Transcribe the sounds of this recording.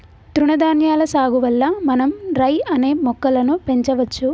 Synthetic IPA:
t̪ɾuɳɐd̪aːnjaːlɐsaːɡuʋɐlːɐmɐnɐmɾɐjɐne̞ːmɔkːɐlɐnupe̞ɲt͡ʃɐʋɐt͡ʃːu

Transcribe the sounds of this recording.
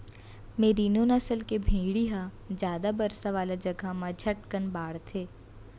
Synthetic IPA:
meːɾinonɐsəlkebʱĩːɽiɦa | d͡ʒjaːd̪abɐɾsaʋaːlad͡ʒɐɡʱamãd͡ʒʰʱɐʈkənbaːɽt̪ʰeː

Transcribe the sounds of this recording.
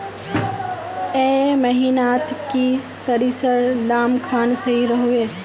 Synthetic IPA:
eməɦinaːt̪kisəɾisəɾd̪aːmkʰaːnsɐɦiɾəɦoeː

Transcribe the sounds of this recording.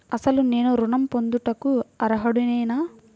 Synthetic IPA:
ɐsɐlune̞ːnuɾuɳɐmpond̪uʈɐkuɐɾɐɦɐɽunɐjnaː

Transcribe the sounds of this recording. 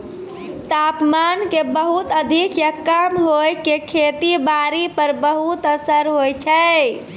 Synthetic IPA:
t̪apmankebəɦut̪əd̪ʱikjəkːəmɦojkekʰet̪ibaɾipəɾbəɦut̪əsəɾɦojt͡ʃʰɛ

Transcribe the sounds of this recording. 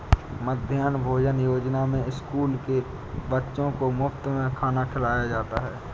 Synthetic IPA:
məd̪ʱjaːnbʱoːd͡ʒənjoːd͡ʒnamẽɪskuːlke | bətːʃõkomʊfʰt̪mẽkʰaːnakʰɪlaːjad͡ʒaːt̪aɦɛː

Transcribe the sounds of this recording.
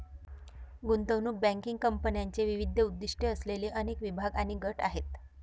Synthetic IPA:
ɡunt̪əwnuːk̚bæ̃ŋkiŋɡ̚kəmpənjaɲt͡ɕeʋiʋid̪ʱːəud̪ːiʂʈeəsleliːʔənekʋibʱaɡaɽ̃iɡəʈaɦet̪

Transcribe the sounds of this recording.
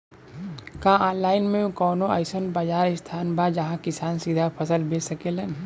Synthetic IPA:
kãanlaːɪnmẽkɔːnõɐ̰ɪsənbad͡ʒaːɾɪst̪ʰaːnbʱad͡ʒɐɦãkɪsaːnsid̪ʱapʰɐsəlbesɐkelən

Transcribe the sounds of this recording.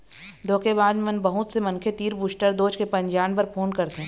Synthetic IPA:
d̪ʱoːkeβaːd̪mɛ̃nbɐɦʊt̪semɐ̃nkʰet̪iːɾbuːsʈəɾd̪oːt͡ʃkepɐ̃ɲd͡ʒaːnpɐɾpʰoːnkɐɾt̪eɦɛ̃ː

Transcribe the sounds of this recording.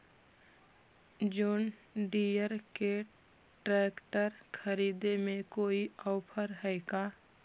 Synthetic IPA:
d͡ʒoːnɖijəɾke | ʈɾɛːkʈəɾkʰəɾiːd̪emẽkoːiɔːpʰəɾɦɛːɡaː

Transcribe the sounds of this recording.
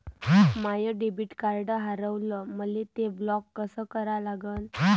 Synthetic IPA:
majəɖebiʈkaɾɖəɦaɾəʋləməlet̪eblɔkːəsəkəɾalaɡən

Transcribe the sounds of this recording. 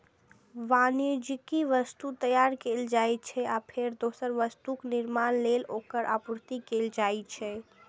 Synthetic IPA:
ʋanjod͡ʒikiʋəst̪ut̪əjaɾkeld͡ʒajt͡ʃʰɛapʰeɾd̪osəɾʋəst̪ukniɾmanlelokəɾʔa̰pɾt̪ikeld͡ʒajt͡ʃʰɛ

